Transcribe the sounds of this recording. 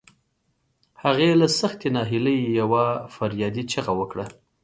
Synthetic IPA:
haɣelasaxt̪enɑɦɪləjjawafaɾjɑd̪it͡ʃəɣawəkɽa

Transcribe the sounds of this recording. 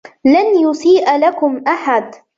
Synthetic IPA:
lanjʊsiːʔlakʊmʔaħad̪

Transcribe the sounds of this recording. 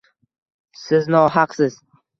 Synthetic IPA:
sɪznɒɦɑqsɪz̥

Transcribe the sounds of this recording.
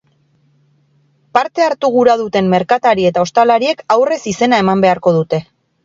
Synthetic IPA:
paɾt̪e̞aɾt̪uɣuɾað̞ut̪e̞mːe̞ɾkat̪aɾie̞t̪ao̞st̪alaɾie̞kawre̞sise̞nae̞mambe̞aɾko̞ð̞ut̪e̞

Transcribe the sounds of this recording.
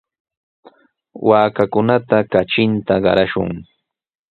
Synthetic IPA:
waːkakʊnat̪akat͡ʃɪnt̪aɢɑ̰ɾaʃʊ̰ŋ

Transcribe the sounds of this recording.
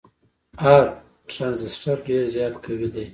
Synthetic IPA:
ɑɾ | ʈɾɑnzɪsʈaɾɖeɾzjɑt̪kʰawid̪aj

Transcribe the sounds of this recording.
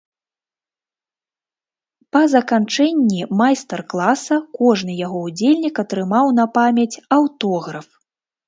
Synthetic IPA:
pɐzɐkant͡ʂɛnʲːimajst̪ɛrklˠasɐkɔʐnɨjaɣɔud͡zʲelʲnʲikɐt̪ɾɨmawnɐpamʲɐt͡sʲɐwt̪ɔɣɾɐf

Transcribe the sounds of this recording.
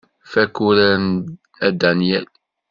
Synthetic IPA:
fækuɾæn | æd̪ænjæl

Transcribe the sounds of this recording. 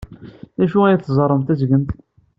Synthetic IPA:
ðæʃuæjæθzˤɑɾˤəmt̪æzɡənt̪

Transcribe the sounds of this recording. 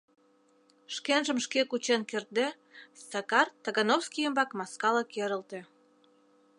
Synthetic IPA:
ʃkenʒə̆mʃkekut͡ɕenkert̪̚d̪e | st̪ɑkɑrt̪ɑɣɑnofskijəmbɑkmɑskɑləkeɾə̆lt̪ĕ

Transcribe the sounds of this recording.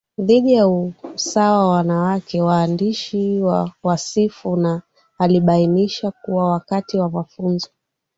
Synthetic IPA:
ðiɗijausawawawanawakɛwaːndiʃiwawasifunaː | liɓainiʃakuwawakatiwamafunzɔ

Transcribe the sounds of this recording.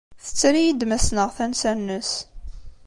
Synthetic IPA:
θə̥t͡sːɾijid̪mæsnəʁθænsænːəs

